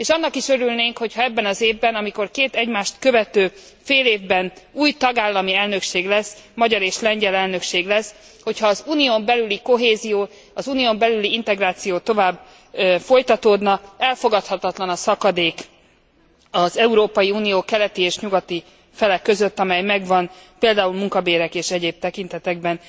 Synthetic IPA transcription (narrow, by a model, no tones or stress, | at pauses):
eːʃɒn̪ːɒkiʃøɾylneːŋkho̞cʰhɒɛbːɛnɒzeːvbɛnɒmiko̞rkeːt̪ɛɟmaːʃt̪køvɛt̪øː | feːleːvbɛnuːjt̪ɒɡaːlːɒmiɛlnø̞kʃeːɡlɛsːmɒɟɒɾeːʃlɛɲɟɛlɛlnø̞kʃeːɡlɛs | ho̞cʰhɒːzuːnijoːmbɛlyliko̞ɦeːzijoː | ɒzuːnijombɛlyliint̪ɛɡraːt̪sijoːt̪o̞vaːb | fo̞jt̪ɒt̪oːd̪nɒɛlfo̞ɡɒt̪hɒt̪ɒt̪lɒnɒsɒkɒd̪eːk | ɒzɛuɾoːpɒjiuːnijoːkɛlɛt̪ieːʃɲuɡɒt̪i | fɛlɛkːø̞zøt̪ːɒmɛjmɛɡvɒnpeːld̪aːulmuŋkɒbeːɾɛkeːʃɛɟeːb̚t̪ɛkint̪ɛt̪ɛɡ̚bɛn